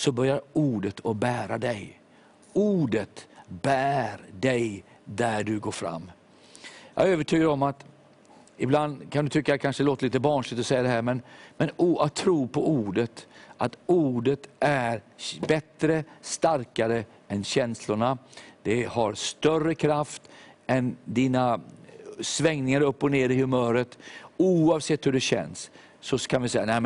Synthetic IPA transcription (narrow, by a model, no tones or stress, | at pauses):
sɔbœɾjaɾuːɖət̪ʰɔbæːɾad̪ɛj | uːɖət̪bæːɾdɛj | d̪æɖɵɡoːfɾa̰mː | jɑ̰haɾøːvəʈʰyːɡaɾɔmat̪ | ɪbland̪kʰand̪ɵt̪ʰʏkːakʰanʂəloːt̪aliːt̪əbɑːnʂlɪt̪ɔsɛjːad̪ɛɦæːɾmɛnmɛnuat̪ʰːɾuːpʰɔuːɖət̪ʔat̪uːɖət̪ʔæɾbɛt̪ɾəst̪aɾkaɾə | ɛnɕɛnslʊɳad̪̥ɛhaɾst̪œrəkʰɾaft̪ɛnd̪iːna | svɛŋnɪŋaɾɵpːɔneːɾɪhɵmœːɾət̪uːɑvsɛt̪ːhɵɖɛɕɛ̰nsː | ɔkʰanvɪsɛjːanɛm